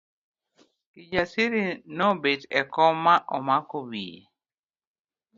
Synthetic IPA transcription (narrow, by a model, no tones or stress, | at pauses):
kid͡ʒasiɾinɔbedɛkɔmːaʔɔmakowiḛ